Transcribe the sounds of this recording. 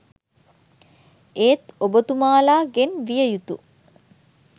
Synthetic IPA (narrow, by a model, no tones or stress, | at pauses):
eːt̪obət̪umaːlaːɡenʋijəjut̪ṵ